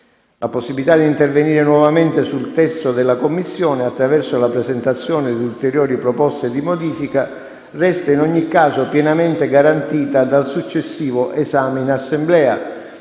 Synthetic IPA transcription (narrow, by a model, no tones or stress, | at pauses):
laposːibilit̪ad̪int̪erveniːɾenwɔvament̪esult̪ɛst̪od̪ɪlːakomːisːjɔːneat̪ːɾavɛrsolapɾɛzent̪at̪sːjɔːnɪd̪iult̪eɾjoːɾipɾɔpɔst̪ed̪imod̪iːfika | rɛst̪ainɔɲːikːaːzopjɛnament̪eɡaɾant̪iːt̪ad̪alsut͡ʃːesːiːvoʔezaːmeinasːemblɛːa